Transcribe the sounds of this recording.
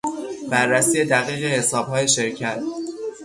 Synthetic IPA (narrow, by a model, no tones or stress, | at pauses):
b̥ærːæsiːje̞d̪æɣiːɣe̞hesɒːb̥hɒːje̞ʃe̞ɾcʰæt̪̚ʰ